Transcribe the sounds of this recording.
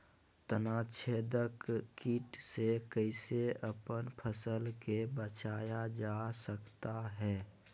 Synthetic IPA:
t̪ənaːt͡ʃʰeːd̪əkːiːʈsekəɪseəpənpʰəsəlkebət͡ʃaːjad͡ʒaːsəkt̪aɦɛː

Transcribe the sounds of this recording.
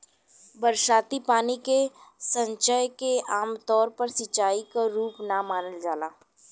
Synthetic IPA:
bəɾʃaːt̪ipaːnikesə̃ɲt͡ʃəjkeaːmt̪ɔːɾpɐɾsɪt͡ʃːaːikaɾuːpnamaːnəld͡ʒaːlaː

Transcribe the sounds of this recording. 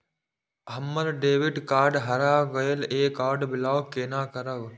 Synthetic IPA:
ɦəmːəlɖeːʋɪɖkaːɾɖɦɐɾaːɡəjəleːkaːɾɖbɪlaːwkeːnaːkəɾəɡ

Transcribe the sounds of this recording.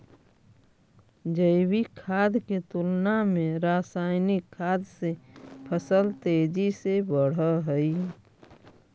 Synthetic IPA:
d͡ʒəɪbikʰaːd̪ket̪ulnamẽɾaːsaːɪnikʰːaːd̪sepʰəsəlt̪ed͡ʒisebəɽ̤əɦəi

